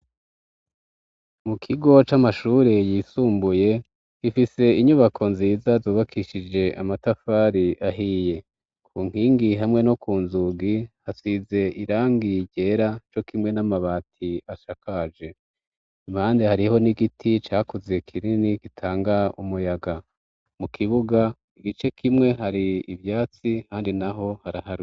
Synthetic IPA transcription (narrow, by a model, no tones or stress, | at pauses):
mukʰiɡo̞t͡ʃamaʃuːɾejiːsuːmbuje̞ | ɡ̥ifise̞iɲuβakʰo̞nziːzazoːβakʰiʃid͡ʒe̞ʔa̰matafaːɾiʔaɦiːje̞ | kʰuːŋ̥hiːŋɡiɦamŋe̞no̞kuːnzuɡihasize̞ʔiɾaːŋɡiɟe̞ɾat͡ʃo̞kimŋe̞namaβaːtʰiaʃakad͡ʒe̞ | imhaːndehaɾiho̞niɡitʰit͡ʃaːkuzekʰiɾinikitʰaːŋɡaumujaɡa | mukʰiβuɡa | iɡit͡ʃe̞kʰimŋe̞ɦaɾiivjaːt͡sihaːndinaɦo̞haɾahaɾu